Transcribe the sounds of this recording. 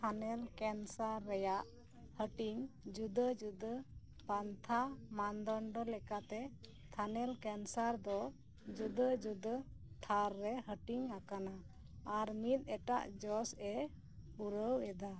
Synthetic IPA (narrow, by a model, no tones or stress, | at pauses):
t̪ʰanɛlkɛnsaɾːɛjaʔ | həʈiŋd͡ʒud̪əd͡ʒud̪ə | pant̪ʰamand̪ɔɳɖɔlɛkat̪ɛ | t̪ʰanɛlkɛnsaɾd̪ɔ | d͡ʒud̪əd͡ʒud̪ə | t̪ʰaɾːɛɦəʈiŋakanaː | ɾmit̪̚ˀɛʈa̰ʔd͡ʒɔsɛ | uɾəwɛd̪a